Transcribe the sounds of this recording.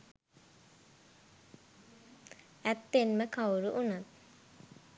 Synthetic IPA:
æt̪ːenməkawɾuʔunat̪̚

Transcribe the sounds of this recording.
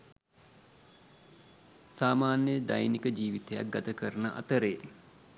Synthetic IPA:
saːmaːnjəd̪ajnikəd͡ʒiːʋit̪eja̰k̚ɡat̪əkəɾənəʔa̰t̪əɾeː

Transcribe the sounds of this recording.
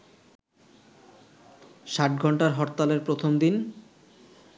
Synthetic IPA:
ʃaʈ̚ɡʱɔɳʈaɾɦɔɾt̪ːaleɾpɾot̪ʰomd̪in

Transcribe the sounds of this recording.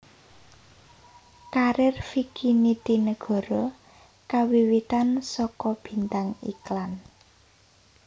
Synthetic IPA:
kaɾɪrfikʰinit̪inəɡ̥ɔ̤ɾɔ | kawiwit̪ansɔkɔb̥i̤nt̪aŋḭklan

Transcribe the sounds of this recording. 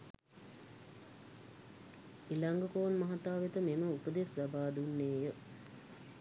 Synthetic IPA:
ilaŋɡəkoːnmɐɦat̪aːʋet̪əmeməupəd̪eslabaːd̪unːeːjə

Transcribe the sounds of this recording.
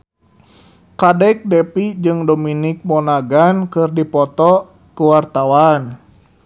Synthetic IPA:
kadɛk̚dɛpid͡ʒɨŋdominik̚mɔnaɡankɨrdipɔt̪ɔ | kuwart̪awan

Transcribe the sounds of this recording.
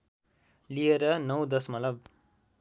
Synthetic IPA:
lieɾʌnʌwd̪ʌsmʌtlʌb̚

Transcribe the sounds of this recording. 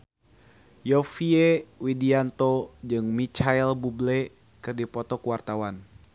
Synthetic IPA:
jɔfiewidiant̪od͡ʒɨŋmit͡ʃailbublɛ | kɨrdipɔt̪ɔkuwart̪awan

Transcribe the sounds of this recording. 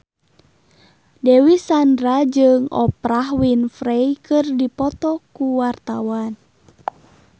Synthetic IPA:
dɛwisandɾad͡ʒɨŋɔ̰pɾahwinfɾejkɨrdipɔt̪ɔkuwart̪awan

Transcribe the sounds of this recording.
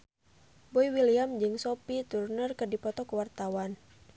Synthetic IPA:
boiwiliamd͡ʒɨŋsopit̪urnərkɨrdipɔt̪ɔkəwart̪awan

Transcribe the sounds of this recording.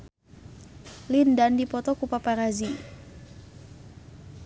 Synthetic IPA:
lindandipɔt̪ɔkupapaɾazi

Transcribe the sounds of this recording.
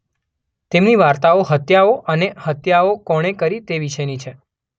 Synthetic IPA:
t̪emniʋaɾt̪aoɦət̪jaoʔənehət̪jaokɔɽ̃ekəɾit̪eʋiʃəjnit͡ʃʰe

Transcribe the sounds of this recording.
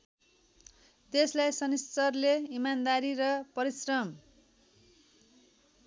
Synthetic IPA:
t̪eslajsʌnist͡sʌrleimand̪aɾiɾʌpʌɾisrʌm

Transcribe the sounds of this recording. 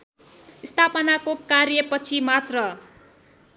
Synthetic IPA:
ist̪ʰapʌnakokaɾjʌpʌt͡sʰimat̪rʌ

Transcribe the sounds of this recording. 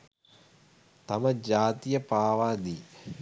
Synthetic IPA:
t̪aməd͡ʑaːt̪ijəpaːʋaːd̪iː

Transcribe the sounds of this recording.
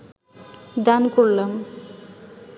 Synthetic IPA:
d̪ankuɽlam

